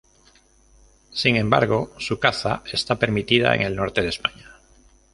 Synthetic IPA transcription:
siŋẽ̞mba̰ɾɣ̞o̞sukaθae̞st̪ape̞ɾmit̪iða̰ḛŋe̞lno̞ɾt̪e̞ð̞espaɲa

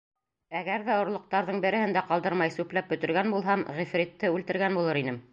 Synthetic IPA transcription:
æɡæɾðæŏɾlˠŏq̚t̪ɑɾðɤɴbɘ̆ɾɘ̆hɘnd̪æqɑlˠd̪ɤɾmɑjsʉplæp̚bɵ̆t̪ɘ̆ɾɡænbulˠɦɑmʁifɾʲit̪ːɘʉlt̪ɘ̆ɾɡænbulˠɤɾinɘm

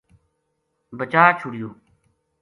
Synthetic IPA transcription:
bət͡ʃaːt͡ʃʰʊɽɪjoː

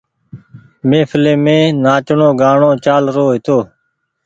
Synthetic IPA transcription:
mẽːpʰɪlẽːmẽːnaːt͡ʃɳõːɡaːɳõːt͡ʃaːlɾoːɦɪt̪oː

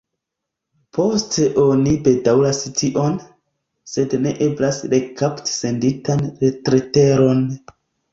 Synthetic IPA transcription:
po̞steʔo̞nibe̞dawlastiʔo̞n | se̞dne̞̰ʔe̞blasɾe̞kapti̥se̞nditanɾetɾete̞ɾo̞n

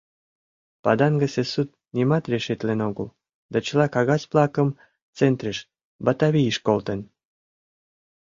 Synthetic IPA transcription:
pɑd̪ɑnɡəsesut̪̚ | nimɑt̪rʲeʃet̪lenoɣə̰l | d̪ɑt͡ɕəlɑkɑɣɑsplɑkəm | t͡sent̪reʃ | bɑt̪ɑβijʃkolt̪ən

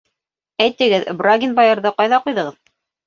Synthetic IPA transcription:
æjt̪ɘ̆ɡɘðbraɡʲinbajɤ̆ɾðɤqɑjðɑqujðɤ̆ʁɤð

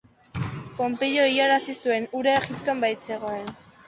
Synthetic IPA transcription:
po̞mpe̞jo̞ijaɾasisue̞nuɾaeɣipt̪oambajt͡se̞ɣ̞o̞e̞n

